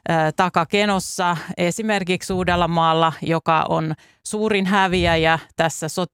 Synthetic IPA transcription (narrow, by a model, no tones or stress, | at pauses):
əːt̪ɑkɑkenosːɑesimerkiksuːdelːɑmɑːlːɑjokɑ̰ʔo̰n | suːɾinɦæʋiæjɑt̪æsːæso